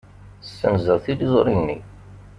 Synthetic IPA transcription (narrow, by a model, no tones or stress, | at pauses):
əsːənzəðˤθilizˤɾˤinːḭ